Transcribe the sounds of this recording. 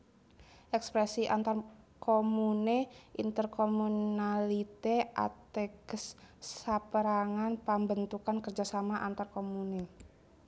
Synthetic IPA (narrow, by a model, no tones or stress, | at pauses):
ʔɛkspɾɛsiʔant̪ar | komuneʔint̪ərkomunalit̪ea̰t̪ɛɡəsːapəɾaŋanpambənt̪ukankərd͡ʒasamaʔant̪arkomune